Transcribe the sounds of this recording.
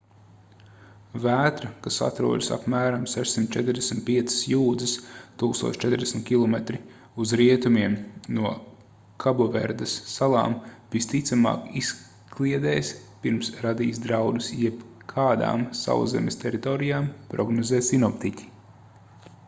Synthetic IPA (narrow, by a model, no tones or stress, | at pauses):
væːt̪ɾɐkasa̰t̪ɾṵɔd̪ɨsa̰pmæːɾamsɛʃsimt̪t͡ʃɛt̪ɾd̪ʲɛsmʲt̪̚piɛt̪sə̥sjuːd̪zɨst̪uːkst̪uɔt͡ʃt͡ʃɛt̪ɾd̪ʲɛsmʲt̪̚ʲkʲilˠɔmet̪ɾi | uzɾiɛt̪umiɛmnuɔ | kʰabɔvḛɾd̪ɐsːalˠɑ̰ːmvist̪it̪samɑ̰ːkis | klʲiɛd̪ɛːjspiɾmsɾad̪iːsd̪ɾawd̪usjɛp | kʰaːd̪a̰ːmsa̰wzɛ̰mʲest̪ɛɾit̪ɔːɾijaːmpɾɔɡnɔzɛːsinɔpt̪icʲi̥